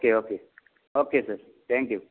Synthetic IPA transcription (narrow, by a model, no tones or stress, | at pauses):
keokʰe | okʰesɛ | t̪ʰɛ̃ŋkju